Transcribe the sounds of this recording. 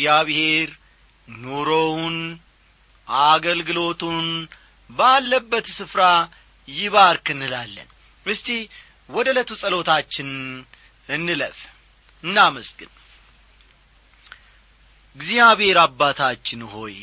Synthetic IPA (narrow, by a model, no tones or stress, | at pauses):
jaβhe̞ɾ | noɾown | ʔaɡəlɡɨlo̞t̪ʰun | balːəbːət̪sɨfɾa | jɪβaɾkʰɨnːɨlalːə̰n | ɨst̪i | wɔd̪ələt̪ʰusʼəlo̞t̪ʰat͡ʃːɪn | ɨnːɨləf | ɨnːaməsɡɨn | ɨɡzijaβhe̞ɾabːat̪ʰat͡ʃːɪnho̞̰j